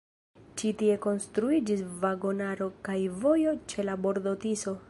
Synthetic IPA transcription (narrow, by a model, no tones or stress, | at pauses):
t͡ʃitie̞ko̞nstɾuid͡ʒisvaɡo̞naɾo̞kajvo̞jo̞t͡ʃe̞labo̞ɾdo̞tiso̞